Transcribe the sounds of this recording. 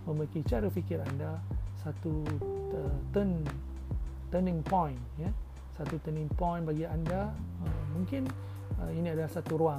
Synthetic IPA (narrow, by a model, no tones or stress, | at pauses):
mə̃mbəɾikit͡ʃaɾufikɪɾandasat̪uət̪ən | t̪ənĩŋpɔ̃jnja | sat̪ut̪ənĩŋpɔ̃jnbaɡiandaəmũŋkɪn | əinĩadalahsat̪uɾua